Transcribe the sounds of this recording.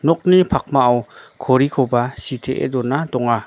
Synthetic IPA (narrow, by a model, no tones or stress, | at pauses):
nɔk̚nipʰak̚maːwkʰɔɾikʰɔwbasitʰeʔḛdɔnadɔŋa